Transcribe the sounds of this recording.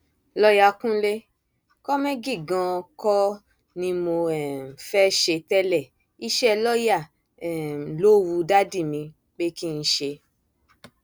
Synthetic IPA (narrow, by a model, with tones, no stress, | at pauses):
lɔ˦ja˧kũ˦le˦ | kɔ˦mɛ̃˦ɡi˦˨ɡã˧kɔ˦ | nĩ˧mo˧ɛ˦˨fɛ˦ʃe˧tɛ˦lɛ˦˨ | i˦ʃɛ˦˧lɔ˦ja˦˨ | ɛ˨lo˦wu˨˧da˦di˦˨mĩ˧ | k͡pe˦ki˦n̩˧ʃe˧